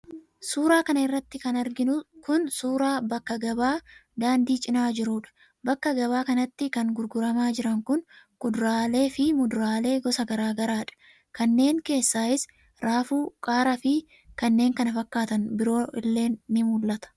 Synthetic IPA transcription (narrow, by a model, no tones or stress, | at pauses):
suːɾaːkɐnɐɪrːɐt̪ːɪkɐnɐɾɡɪnʊkʊnsuːɾaːbɐkːɐɡɐbaːd̪aːnd̪iːt͡ʃʼɪnaːd͡ʒɪɾuːᶑɐ̥ | bɐkːɐɡɐβaːkɐnɐt̪ːɪkɐŋɡʊɾɡʊɾɐmaːd͡ʒɪɾɐŋkʊnkʊd̪ɾaːle̞ːfɪmʊd̪ɾaːle̞ːɡɔsɐɡɐɾaːɡɐɾaːᶑɐ̥ | kɐnːe̞ːŋke̞ːsːaːɪs | ɾʔaːfuːkʼaːɾɐfɪ | kɐnːeːŋkɐnɐfɐkːaːt̪ɐnbɪɾo̞ːɪlːe̞ːnːɪmulːɐt̪ɐ̥